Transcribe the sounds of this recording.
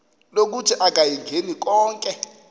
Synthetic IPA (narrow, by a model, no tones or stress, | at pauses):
lok̬utʰiʔak̬ʼajiŋɡʱenik̬ɔːŋkʼɛ